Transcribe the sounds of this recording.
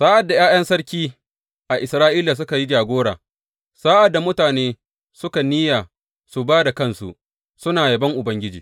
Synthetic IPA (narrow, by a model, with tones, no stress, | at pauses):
saː˦ʔa˨dːa˨j̰aː˦jɐ˦nsɐ˦ɽkʲiː˦ | ʔa˨ʔɪ˨sɾaː˦ʔiː˦la˨s̬ʊ˦ka˨ji˦d͡ʒaː˨ɡʷoː˦ɽa̰ː˨ | saː˦ʔa˨dːa˨mʊ˦taː˨neː˦ | sʊ˦ka˨niː˦jaː˨ | su˨baː˦da˨kɐ˦nsṵ˨ | sʊ˦naː˨jɐ˨bɐ˦ŋʔʊ˨bɐ˦ŋɡʲɪ˦d͡ʒiː˨